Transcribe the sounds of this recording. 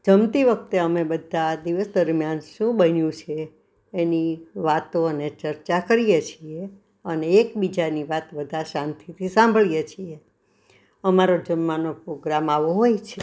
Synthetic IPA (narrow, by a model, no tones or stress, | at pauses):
d͡ʒəmt̪iʋək̚ʰt̪eəmebəd̪ʱad̪iʋəsd̪əɾmijanʃũbənjũt͡ʃʰeː | niʋat̪oənet͡ʃəɾt͡ʃakəɾijet͡ʃʰie | əneːkbid͡ʒaniʋat̪ʋəd̪ʱaʃãnt̪ʰit̪ʰisãmbʱəɭjet͡ʃʰie | əmaɾod͡ʒənmanopɾoɡɾamaʋoɦojt͡ʃʰe